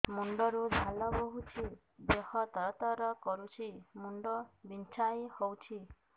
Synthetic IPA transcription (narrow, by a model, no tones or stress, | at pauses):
muɳɖɔɾudʱalɔboɦut͡ʃʰi | d̪ehɔt̪ɔɾɔt̪ɔɾɔkɔɾut͡ʃʰimuɳɖɔbint͡ʃʰajhowt͡ʃʰi